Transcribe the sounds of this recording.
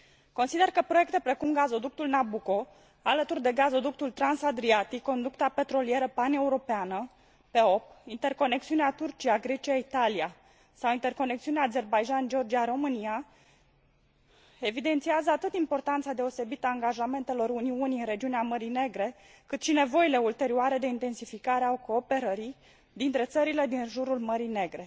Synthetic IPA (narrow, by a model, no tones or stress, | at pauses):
ko̞nsid̪e̞rkəpɾo̞je̞k̚t̪e̞pɾe̞kumɡazo̞d̪uk̚t̪ulnabuko̞ | alət̪urd̪e̞ɡazo̞d̪uk̚t̪ult̪ɾansad̪ɾiat̪ikːo̞nd̪ukt̪ape̞t̪ɾo̞lie̞ɾəpane̞uɾo̞peanə | pe̞o̞p̚int̪e̞rko̞ne̞k̚t̪siuneat̪urt͡ʃiaɡɾe̞t͡ʃiait̪alia | sawint̪e̞rko̞nekt̪siuneaːze̞rbajd͡ʒand͡ʒeo̞rd͡ʒiaɾo̞mɨnija | e̞vid̪e̞nt̪siazəat̪ɨt̪impo̞rt̪ant̪sad̪e̞o̞se̞bit̪aːŋɡaʒame̞nt̪elo̞ɾuniuniɨnɾe̞d͡ʒiuneaməɾine̞ɡɾe̞ | kɨt̪ʃine̞vo̞ile̞ult̪e̞ɾioaɾe̞d̪eint̪e̞nsifikaɾeaoko̞ːpe̞ɾəɾi | d̪int̪ɾe̞t̪səɾile̞d̪inʒuɾulməɾine̞ɡɾe̞